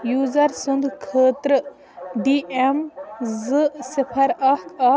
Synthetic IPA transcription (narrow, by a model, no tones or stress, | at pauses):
juːzɐɾsund̪kʰəːt̪ɾə | ɖiʔemzɨsɪpʰɐɾɐkɐ